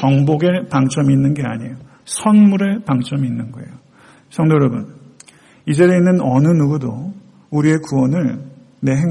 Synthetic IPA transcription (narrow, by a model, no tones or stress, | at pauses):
t͡ɕʌŋboɡe̞paŋt͡ɕ͈ʌmiinːɯnɡe̞aɲejo | sʰʌnmuɾe̞paŋt͡ɕ͈ʌmiinːɯnɡʌe̞̰jo | sʰʌŋdojʌɾʌbun | id͡ʑe̞ɾeinːɯnʌnɯnuɡudo | uɾie̞kuwʌnɯɭ | ne̞ɦe